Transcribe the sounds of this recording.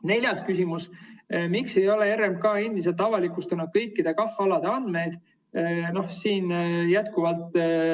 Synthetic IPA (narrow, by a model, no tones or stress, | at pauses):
ne̞lʲjɑskysʲimusmikse̞jo̞leeɾemb̚kɑːend̪is̬et̪ɑvɑlikːˑust̪unud̪̚kɤjkːid̪̥e̞kɑfːɑlɑd̪̥e̞ɑnd̪̥me̞jd̪̥ | no̞hsiːnjæt̪kuvɑlt̪ˑ